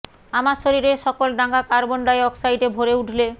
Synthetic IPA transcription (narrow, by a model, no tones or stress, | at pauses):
amasoɾiɾeʃɔkolɖaŋɡakaɾbɔɳɖajɔksajɖebʱoɾeuʈʰle